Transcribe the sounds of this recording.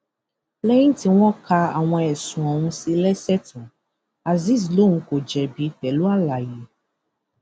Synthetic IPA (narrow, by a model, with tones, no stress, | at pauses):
lɛ˦jĩ˦ti˦w̃ɔ̃˦ka˧a̰˨w̃ɔ̃˧ɛ˨sũ˨ɔ˨wũ˧si˧lɛ˦sɛ˦tũ˨ | a˨zi˦˨s̬lõ˨˦ũ˧ko˨d͡ʒɛ˨bi˨˧fɛ˨lu˦a˦la˨ji˨˦